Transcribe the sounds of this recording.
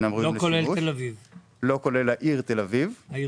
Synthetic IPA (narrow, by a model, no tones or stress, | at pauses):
namʁiokolelelaviv | lokolelaʔiʁt̪elaviv